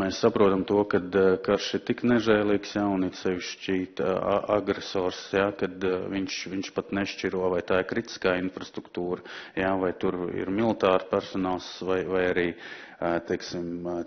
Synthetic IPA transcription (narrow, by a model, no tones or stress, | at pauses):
mesːapɾuɔt̪amt̪uɔkad̪kaɾʃɪɾt̪iknɛʒɛːlˠiːksjaunit̪sɛʋiʃt͡ʃiːt̪a̰ɡɾesɔːɾsjakad̪viɲʃʋiɲʃpat̪nɛʃt͡ʃiɾuɔvajt̪aːɪɾkɾit̪i̥skaːinfɾast̪ɾukt̪uːɾəjavajt̪uɾḭɾmilˠit̪aːɾpæɾsɔnaːlˠsvajvajaɾiː | t̪ɛjksim